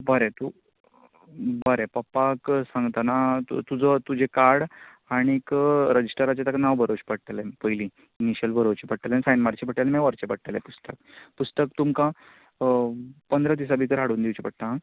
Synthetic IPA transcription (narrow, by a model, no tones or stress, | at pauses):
bəɾet̪u | bəɾepəpːaksãŋɡt̪anat̪ud͡zət̪ud͡ʑekaɾɽ | aɽ̃ikɾəd͡ʑisʈəɾat͡ɕet̪aknaʋbʱəɾoɕpəɽʈ̪alepəjlĩ | iniɕjəlbʱəɾot͡ɕepəɽʈ̪alẽisajnmaɾt͡ɕepəɽʈalemɛʋəɾt͡ɕepəɽʈ̪alepust̪ək̚pust̪ək̚t̪umkã | pənd̪ɾəd̪is̬abit̪əɾɦaɽuːnd̪iwt͡ɕepəɽt̪a